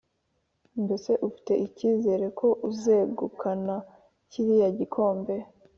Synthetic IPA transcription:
nbe̞se̞ʔufi̥te̞ʔiciːze̞ːɾe̞kʰo̞ʔuze̞ɡukʰana | ciɾijaɟikʰo̞ːmbe̞

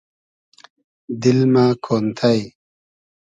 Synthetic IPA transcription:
d̪ilmaːkʰoːnt̪ʰaj

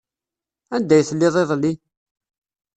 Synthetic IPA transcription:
ænd̪æjθəlːɪðˤeðˤlːi

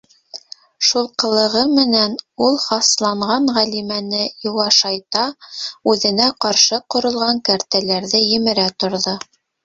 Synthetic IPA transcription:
ʃulˠqɤ̆lˠɤ̆ʁɤmɘ̆nænulˠχɑslˠɑɴʁɑɴʁælimænɘjuwɑʃɑjt̪ɑʉðɘ̆næqɑɾʃɤqŏɾŏlˠʁɑŋkæɾt̪ælæɾðɘjɘ̆mɘ̆ɾæt̪ŏɾðo

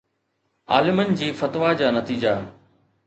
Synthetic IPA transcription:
a̰ːlɪmənɪ̆d͡ʑiːfɐt̪ʋad͡ʑaːnɐt̪iːd͡ʑaɦ

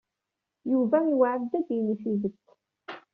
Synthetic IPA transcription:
juvænwaʕəd̪ːæd̪jəniθiðət̪ː

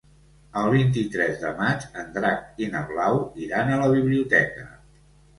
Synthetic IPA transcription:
əlˠβint̪̬it̪ɾɛzðə̰mat͡ʃənd̪ɾak̚inəβlawiɾanələβiβliut̪ɛkə

